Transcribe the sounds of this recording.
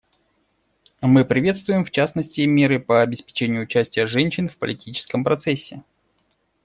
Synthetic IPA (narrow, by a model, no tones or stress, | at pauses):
mɨpɾʲɪvʲe̞t̪st̪vʊjɪmft͡ɕasnəsʲtʲɪmʲe̞ɾɨpəɐbʲɪspʲɪ̥t͡ɕenʲɪjʊːt͡ɕæsʲtʲɪjəʐɛnʲɕɪnfpə̰lʲɪtʲit͡ɕɪ̥skəmpɾɐt̪sɛsʲːɪ